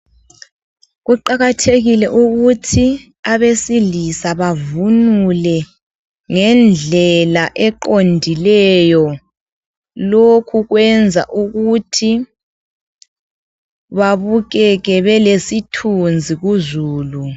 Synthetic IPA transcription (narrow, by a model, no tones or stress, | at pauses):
ɣuǃaɣatʰeɣilɛʔuɣutʰi | aβesilisaβavunulɛ | ŋɛnd͡ɮʱɛlaʔɛǃondʱilɛjɔ | lokʰuɣwɛnd͡zʱa̰ʔuɣutʰi | βaβuɣɛɣɛβɛlesitʰund͡zʱiɣuzuːlu